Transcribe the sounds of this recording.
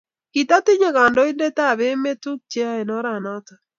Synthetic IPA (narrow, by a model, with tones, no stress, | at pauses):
ki˨ta˦tɪ˦ɲe˦ka˨ndɔ˦ɪ˦nde˦ta˦˨be˦me˦tu˦k̚t͡ʃe˦a˦e˨nɔ˦ɾa˨nɔ˦tɔ˨